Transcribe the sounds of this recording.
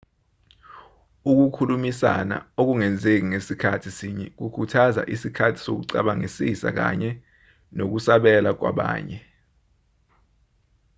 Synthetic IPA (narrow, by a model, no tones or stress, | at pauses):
uk̬ukʰulumisa̰na̰ok̬uŋɛnd͡zʱek̬iŋesikʰatʰisiɲɛk̬ukʰutʰaza̰ʔisikʰatʰi̥sok̬uǀaɓaŋisisa̰k̬a̰ɲɛ | nok̬usaɓɛlak̬wa̰ɓa̰ːɲɛ